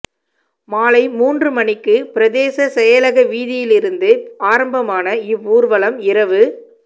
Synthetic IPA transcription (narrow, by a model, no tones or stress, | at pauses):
maːlɐɪmuːndrɯmɐnɪkːɯpɪɾɐðeːsɐsɛjɐlɐɣɐʋiːðɪjɪlɪɾɯnd̪ɯaːɾɐmbɐmaːnɐɪʋːuːɾʋɐɭɐmɪɾɐʋɯ